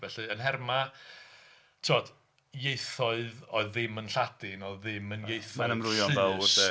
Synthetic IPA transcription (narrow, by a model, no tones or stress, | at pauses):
vɛɬɨənɦɛrma | tʰɔd̥ | jeɨθɔɨðɔɨðːɪmənɬad̥ɪnɔðːɪmənjejθɔanəmrʊjɔnɨvɛlˠodɛ